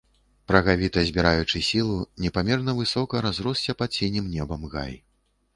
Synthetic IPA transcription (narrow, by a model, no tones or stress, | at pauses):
pɾɐɣavʲit̪ɐzʲbʲiɾajut͡ʂɨsʲilˠunʲɛpamʲɛrnɐvɨsɔkɐɾazɾɔsʲt͡sʲɐpat̪̚sʲenʲimnʲɛbɐmɣa̰j